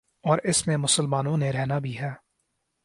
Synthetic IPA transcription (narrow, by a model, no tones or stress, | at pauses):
ɔːɾɪsmẽmʊsəlmaːnõneɾɛɦnabʱiɦɛː